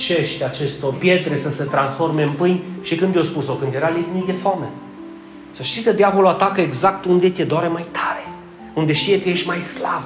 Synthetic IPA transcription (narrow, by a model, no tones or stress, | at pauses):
t͡ʃe̞ʃt̪at͡ʃe̞st̪opje̞t̪ɾe̞səse̞t̪ɾansfo̞rme̞ɨmpɨjnʲʃikɨnd̪jowspuso̞kɨnd̪je̞ɾalivnik̪d̪efoame | səʃt̪ikəd̪javoloat̪akəeɡzak̚t̪und̪et̪ʲied̪oaɾemajt̪ʰaɾe | und̪e̞ʃt̪ije̞kəje̞ʃʲmajsla̰b